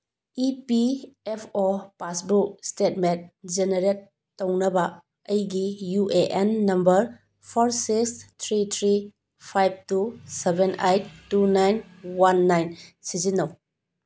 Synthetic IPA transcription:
ipiepʰopasbuk̚stetmet̚d͡ʒeneɾetː | ownɐbɐ | ɐjɡijuʔeʔenːɐmbɐɾ | pʰoɾsikst̪ʰɾitʰɾi | pʰajb̚tusebenʔajttunajn | wanːajnsizinɐw

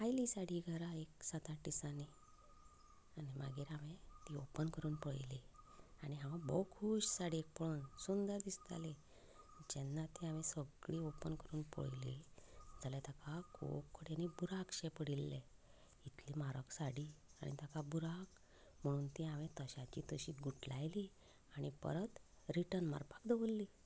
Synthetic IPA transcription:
ajliːsaɽiːɡʱəɾaeksat̪aʈisani | animaɡiːɾaʋẽt̪iopənkəɾuːnpəɭleaniɦãʋãbɔkʰuɕsaɽiek̚pnsund̪əɾd̪ist̪a̰le | d͡ʑɛnːat̪iaʋesəɡɭiːopənkəɾuːnpə̰ɭlild͡zalɛt̪akakʰo̰kʰːəɽenibuɾakɕɛpəɽilːɛ | it̪limaɾəksaɽiːa̰ɽ̃ʔḭt̪akabuɾak | m̤əɽ̃uːnt̪iaʋẽt̪əɕat͡ɕiːt̪əɕiɡuʈlajli | aɽ̃ipə̰ɾət̪ | ɾiʈənma̰ɾpḁkd̪əʋəlːi

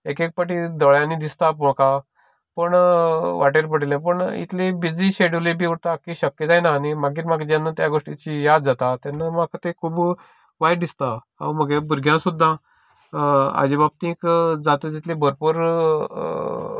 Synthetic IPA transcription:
ekek̚pəʈid̪ɔɭjãnid̪ist̪apɔ̃ka | pəɳʋaʈeɾpəɽilẽpəɳḭt̪libid͡ziɕeɽlibiːuɽt̪akiɕəkːjed͡zajnaːnimaɡiːɾmaɡd͡ʑanːat̪jaɡoʂʈit͡ɕijad̪̚d͡zat̪at̪janːamakʰət̪ekʰuːb | ʋajd̪ist̪a | a̰wməɡebuɾɡʱjãsud̪ʱːã | a̰d͡ʑibab̚t̪ĩːkd͡zat̪et̪it̪libʱəɾpuɾ

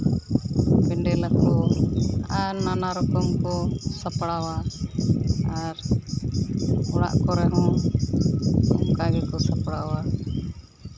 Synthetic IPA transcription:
bɛɳɖɛlakɔ | aɾnanaɾɔkɔmkɔsapɽawa | ɾ | ɔɽa̰ʔkɔɾɛɦɔ̃ | ɔŋkaɡɛkɔsapɽawa

